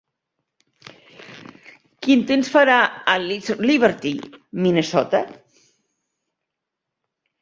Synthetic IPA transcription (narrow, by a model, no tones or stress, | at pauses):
kint̪ensfaɾaəlliβəɾt̪iminesɔt̪a